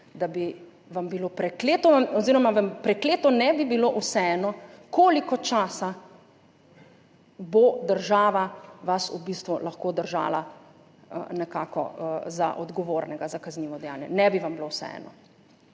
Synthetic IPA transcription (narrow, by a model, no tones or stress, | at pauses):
d̪abi | ʋambiloːpɾɛkleːt̪ɔaɔziɾɔmaʋampɾɛkleːt̪ɔnɛbibiloʔusɛɛnɔkoːlikɔt͡ʃaːsa | bod̪əɾʒaːʋaʋasubist̪ʋulaxkoːd̪əɾʒa̰ːla̰ | nɛkaːkɔ̰za̰ʔɔd̪ɡɔʋoːɾnɛɡazakazniːʋɔd̪ɛja̰ːnjɛnɛbiʋambilowsɛ̰ɛ̰nɔ